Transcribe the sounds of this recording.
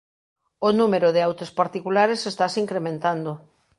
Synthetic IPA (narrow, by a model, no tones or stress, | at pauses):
onumeɾoðɪawt̪espaɾt̪ikulaɾesest̪asiŋkɾemẽnt̪and̪o